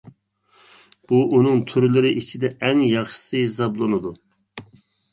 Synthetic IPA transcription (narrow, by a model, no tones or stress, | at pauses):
b̥uʔunɨŋt̪ʰyɾlɪɾɪʔit͡ʃʰɪd̪ɛʔɛŋjɑχʃə̥sɨɦɪs̬ɑblˠɨnɨd̪u